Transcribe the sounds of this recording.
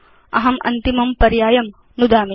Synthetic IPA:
ɐ̰ɦɐmʔɐ̰nt̪imɐmpɐɾjaːjɐm | nud̪aːmi

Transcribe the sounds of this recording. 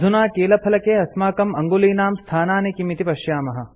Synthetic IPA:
unaːkeːlɐpʰɐlɐkeːɐsmaːkɐmɐŋɡuliːnaːmst̪ʰaːnaːnekimit̪ipɐʃjaːmɐɦɐ

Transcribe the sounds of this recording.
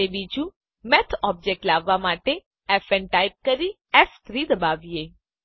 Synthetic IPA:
ebid͡ʒũ | mɛt̪ʰɔb̚d͡ʒek̚ʈlaʋːamaʈe | ɛfɛnʈajp̚kəɾi | ɛft̪ʰɾid̪əbaʋije

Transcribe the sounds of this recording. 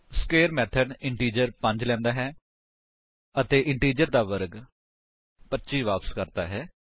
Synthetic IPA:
skeːɾmɛːt̪ʰəɖɪɳʈiːd͡ʒəɾpə̃ɲd͡ʒlɛ̃ːnd̪aːɦɛː | ət̪eːʔɪɳʈiːd͡ʒəɾd̪aːʋəɾɡ | pətːʃiːʋaːpəskəɾd̪a̰ːɦɛː

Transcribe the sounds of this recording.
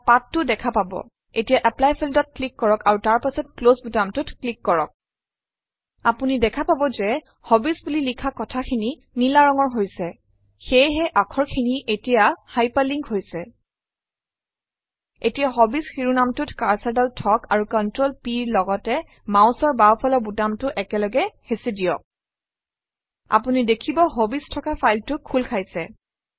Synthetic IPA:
patːʊdɛkʰapabɔ̰ | etijaʔɛplajpʰildɔt̚klikːɔɹɔkaɹutaɹpasɔt̚klozbutamtʊtklikːɔɹɔk̚ | apunidɛkʰapabɔzɛ | hɔbisbulilikʰakɔtʰakʰini | nilaɹɔŋɔɹɦojsɛ | xejɦɛʔakʰɔɹkʰiniʔetijahajpaliŋkhojsɛ | etijaɦɔbisxiɹunamtʊtkaɹsaɹdɔltʰɔkaɹukɔntɹolpiɹlɔɡɔtɛ | maʊ̃sɔɹbapʰɔlɔbutamtʊʔɛkɛlɔɡɛhesidijɔk̚ | a̰punidekʰibɔɦobistʰɔkafʰajltʊkʰːulkʰajsɛ

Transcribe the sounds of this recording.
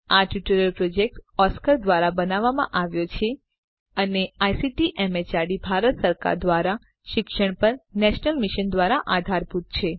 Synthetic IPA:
aʈuʈuɾəlpɾod͡ʒek̚ʈɔskəɾd̪ʋaɾabənaʋːamã̰ʔaʋjot͡ʃʰe | əneajsiʈiʔɛmet͡ʃaɖibʱaɾət̪səɾka̰ɾd̪ʋaɾa | ʃɪkʃəɳ̃pəɾnɛʃnəlmiʃənd̪ʋaɾaʔad̪ʱaɾput̪t͡ʃʰe

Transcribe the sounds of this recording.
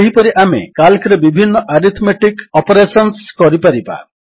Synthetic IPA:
eɦipɔɾiʔamḛkalkɔɾebibʱinːɔʔaɾit̪ʰmeʈikɔpɔɾesɔnskɔɾipaɾipa̰

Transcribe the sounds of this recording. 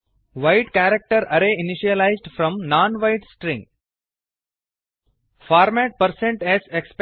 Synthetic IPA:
ʋaɪʈkæɾek̚ʈəɾɐɾeɪniʃiəlaɪzɖfɾɔ̃mnãːnʋaɪʈsʈɾɪ̃ŋ | faːɾmæʈ̚pəɾsẽɳʈɛzeksp

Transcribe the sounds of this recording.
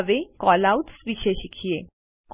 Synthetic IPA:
ʋekɔlautsʋiɕeɕikʰije | k

